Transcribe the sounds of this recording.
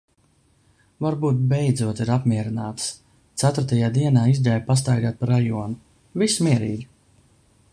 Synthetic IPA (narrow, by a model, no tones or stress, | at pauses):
vaɾbuːt̪̚bɛjd̪zuɔt̪iɾapmʲiɛɾinaːt̪s | t̪sæt̪uɾt̪ajaːd̪iɛnaːizʲd̪ʲajpas̬t̪ajɡaːt̪̚paɾajuɔnu | vismʲiɛɾiːɡʲi